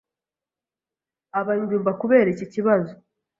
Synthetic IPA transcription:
aβaɲɡuːmbakuβe̞ːɾiciciβazo

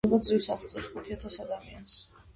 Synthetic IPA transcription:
mɔd̪zivsaχt̪sʼɛɾskʰut̪ʰiat̪ʰasad̪amians

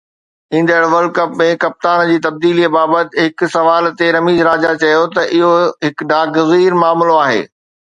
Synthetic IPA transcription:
ĩːnd̪əɽʋɐlkɐpmẽkɐp̚t̪aːnd͡ʑiːt̪ɐb̚d̪iːlibaːbət̪ɪɦɪkʊ̆sɐʋaːlt̪eɾɐmiːzɾaːd͡ʑat͡ɕɐjot̪ɐʔɪɦoɦɪkɖaːɡziːɾmaːmloaːɦḛː

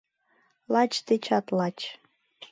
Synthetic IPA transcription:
lɑt͡ɕt̪et͡ɕɑt̪lɑt͡ɕ

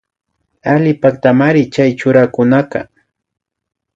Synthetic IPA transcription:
alɪpakt̪amaɾɪt͡ʃajt͡ʃʊɾakʊnakɑ̰

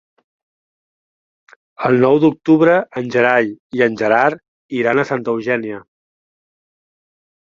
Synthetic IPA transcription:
əlˠnɔwd̪uk̚t̪uβɾəənʲʒəɾaʎiənʲʒəɾaɾ | iɾanəsant̪əwʒɛniə

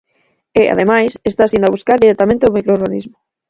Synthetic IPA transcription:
eʔa̰ðemajsest̪asind̪aβuskaɾðiɾet̪amẽnt̪eomikɾoɾɣanizmʊ

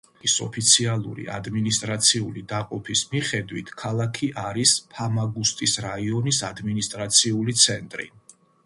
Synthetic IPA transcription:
isɔ̰pʰit̪sʰialˠṵɾḭa̰d̪minist̪ʼɾat̪sʰiulid̪aqʼɔpʰismiχɛd̪wit̪ʰkʰalˠakʰiʔaɾispʰamaɡust̪ʼisɾaiɔnisad̪minist̪ʼɾat̪sʰiulit̪sʰɛnt̪ʼɾḭ

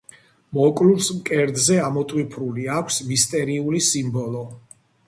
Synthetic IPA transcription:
mɔkʼluɾsmkʼɛɾd̪zɛamɔt̪ʼwipʰɾuliakʷʰsvist̪ʼɛɾiulisimbɔlɔ

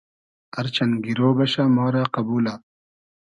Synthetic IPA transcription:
ɐɾt͡ɕɐnɡiɾoːbɐɕaːmoːɾaːqɐbuːlaː

